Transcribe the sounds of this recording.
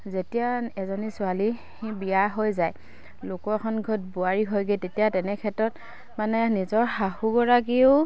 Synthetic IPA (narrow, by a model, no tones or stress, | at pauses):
zetijaɛzɔnisʊali | hibijaɦojzaj | lʊkɔkʰɔnɡʱɔt̚buaɹiɦojɡetetijatɛnɛkʰɛtɹɔt | manɛnizɔɹhahuɡɔɹaɡiʊ